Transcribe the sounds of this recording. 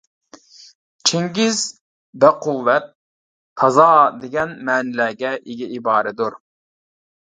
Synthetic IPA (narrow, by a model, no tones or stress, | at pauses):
t͡ʃʰeŋɡʲiz | bɛqʰulːɛt̪̚ | hɑzɑːd̪eɡʲɛnmɛːnɪlæːɡʲɛʔeɡʲiibɑːɾɛd̪uɾ